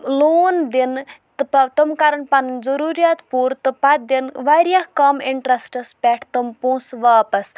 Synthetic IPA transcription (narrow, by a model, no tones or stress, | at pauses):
loːnd̪int̪ɨpɐt̪umkaɾɐɳpɐnɨnzɐɾuːɾijaːt̪puːɾt̪ɨpat̪̚d̪inʋaːɾijahkɐmiɳʈɾɐsʈɐspʲɛʈʰt̪ɐmpoːsʋaːpɐs